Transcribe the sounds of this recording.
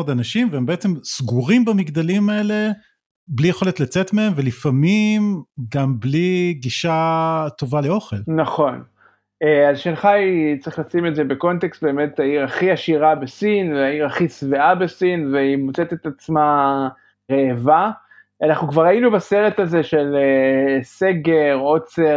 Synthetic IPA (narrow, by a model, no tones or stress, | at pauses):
od̪anaʃimveembeet͡semsɡuʁimbamiɡd̪alimae̞le̞ | blijeχo̞let̪lat͡set̪mee̞mve̞lifamimɡambliɡiʃat̪o̞vale̞o̞χe̞lnaχo̞n | eazʃenχait͡sʁiχlasimeze̞be̞ko̞nt̪ekst̚be̞ːme̞t̪aiʁaχiaʃiʁabe̞sinveaiʁaχisveʔabe̞sinveimot͡set̪et̪at͡sma | ʁeːva | anaχnukvaʁainubase̞ʁetaze̞ʃe̞lese̞ɡe̞ʁo̞t͡se